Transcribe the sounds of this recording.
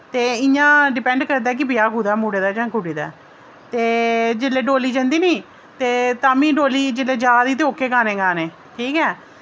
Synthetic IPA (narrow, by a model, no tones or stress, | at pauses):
t̪eːɪɲãːɖɪpɛ̃ɳɖkəɾd̪aːk̬ɪbɪjaːkuːd̪aːmuːɽeːd̪aːd͡ʒãːkuːɽeːd̪a̰ː | t̪eːd͡ʒɪlːeːɖoːliːd͡ʒə̃nd̪iːniː | t̪eːt̪aːmĩːɖoːliːd͡ʒɪleːd͡ʒaːd̪iːt̪eoːkːeːkaːnẽːɡaːneː | ʈʰiːkɛː